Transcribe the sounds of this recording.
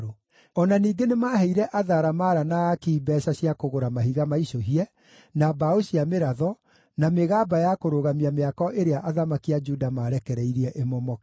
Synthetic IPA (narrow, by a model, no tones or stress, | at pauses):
o | ɔnaniːɡenemaːɦɛiɾɛʔaðaːɾamaɾanakiːbɛʃaɕiakoɣoɾamaɦiɣamaiʃoɦiɛ | nabaoɕiameɾaðɔ | nameɣaːbajakoɾoɣamiameakɔʔeɾeaʔaðamakiad͡ʒudamaːɾɛkɛɾɛiɾiɛʔemɔmɔ